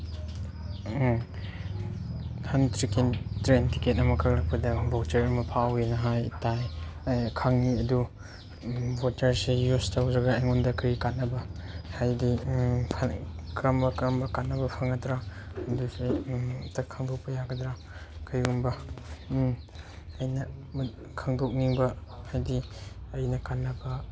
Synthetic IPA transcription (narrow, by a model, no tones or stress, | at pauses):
hɐntɾikentɾenti̥ketɐmɐkʰɐklɐk̚pɐdɐbotɐɾɐmɐpʰawinɐɦajtajkʰaŋniɐdu | botɐɾsejustʰawdɾɐɡɐeŋundɐkʰɐɾikat̚nːɐbɐhajdipʰkɾɐmbɐkɾɐmbɐkanːɐbɐpʰaŋɐtɾaɐdusetɐkʰɐŋdok̚pɐjaɡɐdɾa | kʰɐjumbɐ | jnɐ | kʰɐŋdok̚niŋbɐhajdiɐjnɐkanːɐbɐ